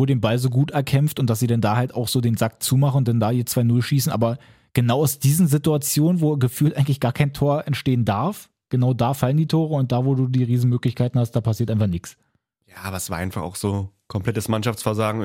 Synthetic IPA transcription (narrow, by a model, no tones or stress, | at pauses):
voːdeːnbalzoːɡuːtɛɐkʰɛmftʊnt̚d̥asz̥iːdɛndaːhaltaʊxz̥oːdeːnzak̚t͡suːmaχən̩ʊnd̥ɛndaːiːɐt͡sv̥aɪnʊlʃiːsn̩ʔaːbɐ | ɡ̥ənaʊaʊsd̥iːzn̩zɪtuat͡sjoːnənvoːɡəfyːltʔaɪŋtlɪçɡ̥aːɐkʰaɪntʰoːɐʔɛntʃteːəndaɐf | ɡ̥ənaʊdaːfaləndiːtʰoːʁəʊnt̚d̥aːvoːduːdiːʁiːzn̩møːklɪçkʰaɪtn̩hastd̥aːpʰasiːɐtʔaɪfaɐχnɪks | jaːʔaːbɐsv̥aːɐʔaɪnfaχa̰ʊxz̥oːkʰɔmplɛtəsmanʃaft͡sfɛɐzaːɡŋ̩